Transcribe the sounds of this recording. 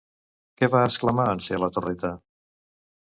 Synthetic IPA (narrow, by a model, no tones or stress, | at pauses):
kɛβaəskləmaənseələt̪urɛt̪ə